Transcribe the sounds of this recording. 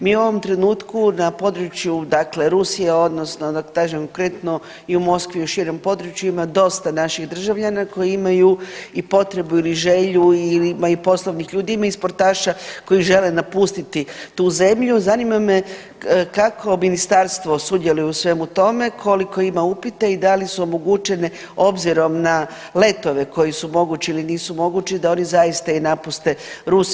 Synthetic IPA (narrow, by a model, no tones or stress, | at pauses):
miːuo̞ʋo̞mt̪ɾe̞nuːt̪kunapo̞d̪ɾut͡ʃjud̪akle̞ɾusijeo̞d̪no̞sno̞d̪akkaʒemkokɾe̞t̪no | iumo̞skʋiuʃiɾo̞mpo̞d̪ɾut͡ʃjuimad̪o̞st̪anaʃiɣd̪r̩ʒaʋʎanako̞jiimajuipo̞t̪ɾe̞builiʒe̞ʎuilimaipo̞slˠoʋnixʎuːd̪iimaispo̞ɾt̪aːʃako̞jiʒe̞le̞napust̪it̪it̪uːze̞mʎuzanimame̞ | kakʰo̞minist̪aɾst̪ʋo̞sud̪je̞lujeusʋe̞mut̪o̞me̞kʰo̞liko̞imaupit̪eid̪alisuomo̞ɡut͡ʃe̞ne | o̞bziɾo̞mna | le̞t̪o̞ʋe̞ko̞jisumo̞ɡut͡ʃiiliniːsumo̞ɡut͡ʃid̪ao̞nizaist̪ainapust̪e̞ɾus